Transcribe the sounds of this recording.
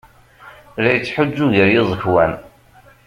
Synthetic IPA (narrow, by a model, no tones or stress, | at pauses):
læjət͡sːħʊd͡ʒːuʝəɾjɪzˤəçwæn